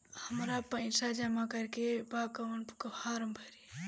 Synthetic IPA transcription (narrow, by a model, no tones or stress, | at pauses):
həmɾapə̃ɪ̃sad͡ʒəmakəɾkebakəʋənpu̥kəaɾəmbʱəɾi